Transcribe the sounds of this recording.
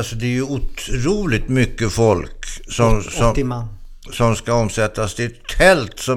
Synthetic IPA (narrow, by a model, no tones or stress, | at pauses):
lsɔd̪ɛæɾjɵʊt̪ʰɾuːlɪɡt̪mʏkːəfɔlksɔmɔ | sɔmskaɔmsɛt̪ːast̪ɪɛt̪ʰːɛlt̪sɔ